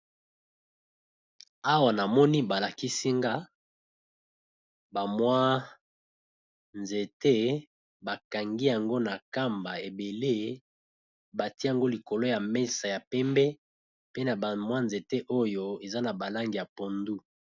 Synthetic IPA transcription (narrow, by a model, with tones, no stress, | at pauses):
a˦wa˨na˨mɔ˦ni˦ba˨la˨ki˦si˦ŋɡa˦ | ba˨mwa˦ | nze˨te˦ | ba˨ka˨ŋɡi˦ja˨ŋɡo˦na˨ka˦mba˨e˨be˨le˦ | ba˨ti˦ja˨ŋɡo˦li˨ko˨lo˦ja˨me˦sa˨ja˨pɛ˦mbɛ˦ | pe˦na˨ba˨mwa˦nze˨te˦ʔo˦jo˦e˨za˦na˨ba˨la˦ŋɡi˨ja˨po˨ndu˦